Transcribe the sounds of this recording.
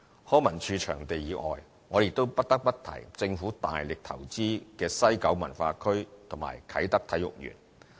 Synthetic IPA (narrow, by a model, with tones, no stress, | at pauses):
hɔː˥mɐ˨˩nt͡ʃʰyː˧t͡ʃʰœ̰ː˨˩ŋt̪e˨jiː˨˥ʔɔː˨j | ŋɔː˨˧je˨˩t̪ːo˥wpɐ˥t̚t̪ɐ˥k̚pɐ˥t̚t̪ʰɐ̰˨˩jt͡sɪ˧ŋfuː˨˥t̪a̰ː˨jlɪ˨k̚t̪ʰɐ˨˩wt͡siː˥kɛː˧sɐ˥jkɐ˨˥wmɐ̰˨˩nfaː˧kʰɵ˥ɥt̪ʰʊ˨˩ma̰ː˨˩jkʰɐ˨˥jt̪ɐ˥k̚t̪ʰɐ˨˥jʊ̰˨k̚jy̰ː˨˩n